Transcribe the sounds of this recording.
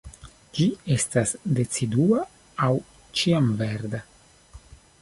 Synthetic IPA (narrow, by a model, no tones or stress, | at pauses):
d͡ʒie̞stasde̞t͡siduaː | w | t͡ʃiamve̞ɾd̪a